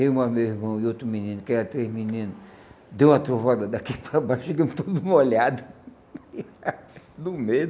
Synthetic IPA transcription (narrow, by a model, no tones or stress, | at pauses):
t̪ẽj̃ũɐmewiɾmɐ̃w̃ɪot̪ɾʊmĩnĩnʊkɛɾɐt̪ɾehminĩnʊ | d̪ew̃ɐt̪ɾovad̪ɐd̪akipɾabajʃʃeɡɐ̃mt̪od̪ʊũmɐolad̪ɐ | d̪ʊmed̪ʊ